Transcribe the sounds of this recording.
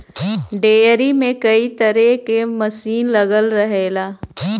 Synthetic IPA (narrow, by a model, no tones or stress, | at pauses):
ɖeːɾimẽkɐit̪əɾekeməsiːnlɐɡəlɾəɦeːlaː